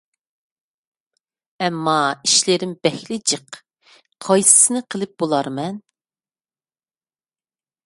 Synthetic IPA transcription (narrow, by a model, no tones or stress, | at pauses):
ɛmːɑiʃlɪɾɪmb̥ɛhlɪd͡ʒəq | qʰɑjsɨ̥sɨnɨqʰəlˠɨp̚b̥olˠɑɾmɛn